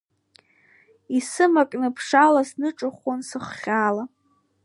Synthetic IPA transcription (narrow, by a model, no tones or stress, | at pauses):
isɨmakʼnɨpʰʂalasnɨʈ͡ʂʼɨχʷonsɨχːʲaːla